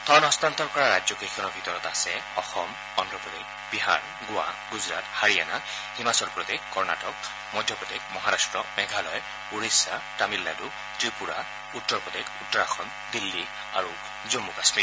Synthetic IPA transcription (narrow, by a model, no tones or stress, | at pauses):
t̪ʰɔnɔst̪ant̪ɔɹkɔɹaɹad͡ʒzɔkekʰɔnɔɹbʱit̪ɔɹɔt̪asɛɔxɔm | ɔndɹɔpɔd̪ek | biɦa̰ɹ | ɡʊwa̰ɡuzɹat̪haɹiana | himasɔɹpɹɔd̪ekkɔɹnatɔk | mɔjd̪ʱjɔpɔd̪ekmɔɦaɾastɹɔmɛɡʱalɔj | uɹisatamilːadu | tɹipuɹa | utːɔɹpɔd̪ekutːɔɹaxʰɔn | d̪ilːi | a̰ɹu | zomːukasmit